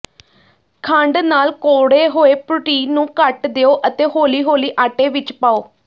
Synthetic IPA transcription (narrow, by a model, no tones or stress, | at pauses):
kʰə̃ɳɖnaːlkoːɽeːɦoːeːpʊʈiːnũːkəʈd̪eːoːʔət̪eːɦoːliːɦoːliːʔaːʈeːʋɪt͡ʃpaːoː